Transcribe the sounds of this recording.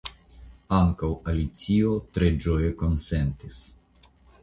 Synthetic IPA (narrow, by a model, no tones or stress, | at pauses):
aŋkawalit̪siot̪ɾed͡ʒojekonsent̪is